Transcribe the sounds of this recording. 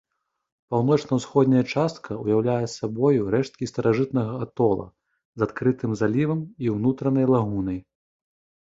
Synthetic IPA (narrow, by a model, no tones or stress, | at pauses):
pawnɔt͡ʂnɐwsxɔd̪nʲɐjɐt͡ʂast̪kʰɐujawlʲajɛsːabɔjuɾɛʂt̪̚kʲist̪ɐɾʔaʐɨt̪nɐɣɐat̪ɔlˠɐ̰ | zat̪kɾɨt̪ɨmzalʲivɐmiwnut̪ɾɐnɐjlˠaɣunɐj